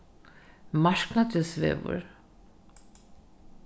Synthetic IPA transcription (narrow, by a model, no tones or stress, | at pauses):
maʃknat̪ʰysvɛ̰vṵɾ